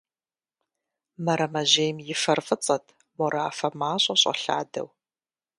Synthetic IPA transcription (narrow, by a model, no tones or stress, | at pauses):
mɐɾɐmɐʑejmjɪfɐrfɨt͡sʼɐtʰ | mɔɾaːfɐmaːɕʼɐɕʼɐ̰ɬa̰ːdɐ̰w